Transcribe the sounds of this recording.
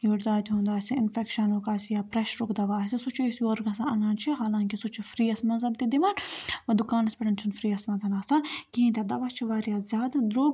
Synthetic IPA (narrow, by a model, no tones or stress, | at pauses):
juːɾd̪aːt̪ʲɦũːnd̪aːsʲiɪnfɛkʃɐnukaːsijaːpɾɐʃɾukd̪ɐʋaːsisut͡ʃʰusoːɾɡɐsaɐnaːnt͡ʃʰiɦaːlãːŋkisut͡ʃʰufɾiːɐsmɐnzɐb̚t̪id̪imanʋɐd̪ʊkaːnɐspʲɐʈɐnt͡ʃʰinfɾiːɐsmɐzʱɐnaːsaːnkiĩnt̪ʲed̪ɐʋɐst͡ʃʰiʋaːɾijaːzʲjaːd̪d̪ɾoːɡ